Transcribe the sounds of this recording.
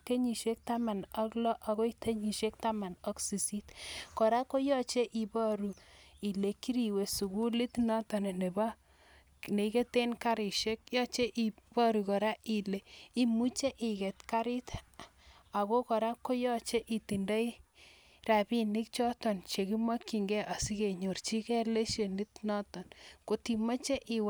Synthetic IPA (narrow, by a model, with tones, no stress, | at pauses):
ke˦ɲi˨ʃe˦k̚ta˦ma˨nɔ˦klɔ˦ʔa˨ko˦i˦t̪e˦ɲi˨ʃe˦k̚ta˦ma˨nɔ˦ksi˨si˦tkɔ˨ɾa˦ko˦jɔ˦t͡ʃe˦ʔi˨bɔ˦ɾu˨i˨le˨ki˦ɾi˨we˨su˨ku˦li˦t̪nɔ˦tɔ˨ne˨ne˨ba˦ | ne˨˦ke˦te˦nka˦ɾi˨ʃe˦kjɔ˦t͡ʃe˦ʔi˨bɔ˦ɾu˨kɔ˨ɾa˦ʔi˨le˨i˦mu˦t͡ʃe˦ʔɪ˨ke˨tka˦ɾɪ˦t | a˨ko˦kɔ˨ɾa˦kːo˦jɔ˦t͡ʃe˦ʔi˨ti˨nda˦i | ra˨bi˦ni˦k̚t͡ʃɔ˦tɔ˨nt͡ʃe˨ki˦ma˦kːi˨ŋɡɛ˦ʔa˨si˦ke˨ɲo˨rt͡ʃi˦kɛ˦le˦ʃe˨ni˦t̪nɔ˦tɔ˨nko˦ti˨ma˦t͡ʃe˦ʔi˨w